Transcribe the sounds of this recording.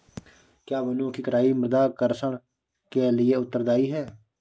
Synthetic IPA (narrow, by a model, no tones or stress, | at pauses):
kjaːʋənũːkikəɾaːiːməɾd̪aːkəɾsəɳ | keːlɪeːʊt̪ːəɾd̪aːiːɦɛː